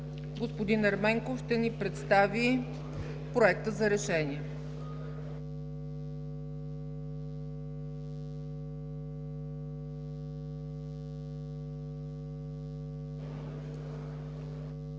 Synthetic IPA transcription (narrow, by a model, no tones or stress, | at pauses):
ɡospod̪inɛɾmɛŋkofʃt̪ɛnipɾɛt̪st̪avi | pɾoɛk̚t̪əzɐɾɛʃɛniɛ